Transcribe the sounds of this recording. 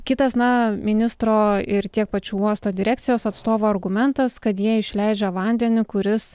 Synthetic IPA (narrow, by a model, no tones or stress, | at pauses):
kʲɪt̪ɐsnɐmʲɪnʲɪst̪ɾoːɪɾt̪ʲiɛk̚pɐt͡ʃʲuːuɔst̪oːd̪ʲɪɾʲæːkt̪sʲɪjoːsɐt̪st̪oːʋoːɐrɡʊmʲɛnt̪ɐskɐt̪jiɛɪʃʲlʲɛɪd͡ʒʲɛʋɐnʲd̪ʲɛnʲɪkʊɾʲɪs